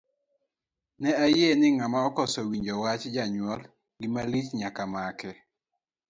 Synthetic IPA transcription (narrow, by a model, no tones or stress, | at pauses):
nɛajenɪŋamaɔkɔsɔwiɲd͡ʒɔwat͡ʃd͡ʒaɲwɔl | ɡɪmalit͡ʃɲakamakɛ